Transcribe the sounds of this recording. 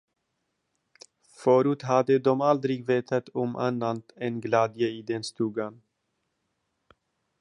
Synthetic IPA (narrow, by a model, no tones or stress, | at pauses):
føːɾʉːt̪ɦad̪əd̪ɔmald̪ɾɪɡveːt̪ʰat̪ʰɔmʔa̰nːant̪ɛnɡlæːd̪jəiːd̪ɛnst̪ʉːɡan